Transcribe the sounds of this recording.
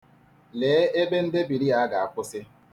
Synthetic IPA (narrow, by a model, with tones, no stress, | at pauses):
leː˨˦e˦be˦n̩˦dɪ˦bi˨ɾi˦a˨a˦ɡa˨a˨kʷʊ˦sɪ˦